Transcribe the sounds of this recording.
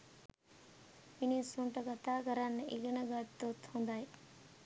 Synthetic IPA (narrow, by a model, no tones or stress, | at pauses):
inisuɳʈəɡat̪aːkəɾanːʔiɡənəɡat̪ːot̪hund̪aj